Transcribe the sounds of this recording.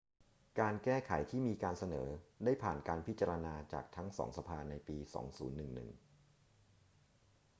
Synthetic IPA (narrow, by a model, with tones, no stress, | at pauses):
kaː˧nkɛː˥˩kʰa˨˩˦jt̪ʰiː˥˩miː˧kaː˧nsa˧nɤ̰ː˩˦da˥˩jpʰaː˨˩nkaː˧npʰi˦˥t̪̚t͡ɕa˧ɾa˧naː˧t͡ɕa̰ː˨˩k̚t̪ʰa˦˥ŋsɔ̰ː˩˦ŋsa˧pʰaː˧na˧jpiː˧sɔ̰ː˩˦ŋsuː˩˦nːɯ˨˩ŋnɯ̰˨˩ŋ